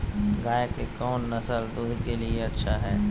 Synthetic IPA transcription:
ɡaːjəkekɔːnːɐsəld̪ʊd̪ʱkelieɐtːʃʰaɦɛː

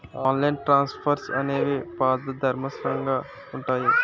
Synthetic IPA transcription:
aːnlɐjnʈɾaːnspʰɐɾsɐ̰neːʋipaːd̪ɐd̪ʱɐɾmɐsɾɐŋɡaː | uɳʈaːji

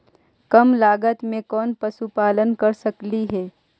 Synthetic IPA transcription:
kɐmlaːɡət̪mẽkɔːnpɐsupaːlənkɐɾsɐkliɦɛː

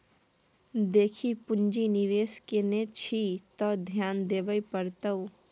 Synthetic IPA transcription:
d̪eːkʰipʊnd͡ʒiniɾeːskenet͡ʃʰit̪ɔːd̪ʱjaːnd̪eːʋəipəɾt̪ə

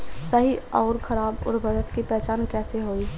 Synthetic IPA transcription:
səɦiɔːɾkʰɐɾaːbɔ̰ːɾbʱɐd͡ʒət̪kipɛːt͡ʃaːnkɛːseɦoːi

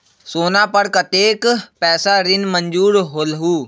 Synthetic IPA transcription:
soːnapəɽkət̪eːkpɛːsaɾɪnmə̃ɲd͡ʒuːɾɦoːlɦuː

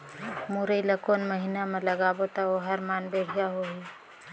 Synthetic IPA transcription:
muɾəiləkoːnməɦinamẽlɐɡaːbot̪aoɦɐɾmaːnbeːɦijaɦoɦi

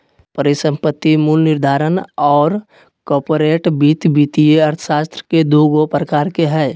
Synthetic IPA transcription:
pəɾɪsə̃mpət̪ːimuːlnɪɾd̪ʱaːɾənɔːɾ | kɔːɾpoɾeːʈbiːt̪biːt̪ieəɾt̪ʰə̥ʃaːst̪ɾəked̪uːɡopɾəkaːɾkeɦɛː

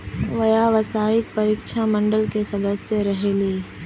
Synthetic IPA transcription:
ʋɐjaʋɐsaːɪk̚pɐɾiːkʃamɐ̃ɳɖəlkesɐd̪əsjəɾɐɦeleː

